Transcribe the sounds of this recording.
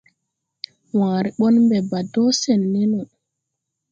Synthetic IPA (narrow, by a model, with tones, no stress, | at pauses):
waː˨ɾi˨ɓɔ˦nmbɛ˨ba˨dɔ˦sɛ˨nːɛ˦nɔ˨